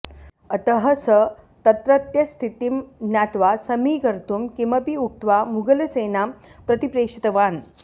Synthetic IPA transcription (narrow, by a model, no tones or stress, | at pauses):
ɐt̪əɦəsə | t̪ɐt̪ɾɐt̪jɐst̪ʰit̪imnjaːt̪ʋasɐmiːɡɐɾt̪umkimɐpiuk̚t̪ʋamuɡɐlɐseːnapɾɐt̪ipɾeːkʂit̪ɐʋaːn